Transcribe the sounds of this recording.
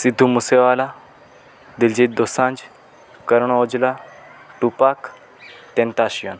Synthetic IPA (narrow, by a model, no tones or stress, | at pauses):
sid̪ʱːumuseʋaːla | d̪ild͡ʑiːt̪̚d̪osãnd͡ʑ | kəɾɳod͡ʑlaʈupak | t̪ẽnt̪aɕjon